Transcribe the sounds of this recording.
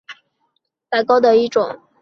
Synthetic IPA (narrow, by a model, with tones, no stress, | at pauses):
pa˧˥ɪkɑ˥ʊd̪ə˨i˥˩ʈ͡ʂʊ˨˩˦ŋ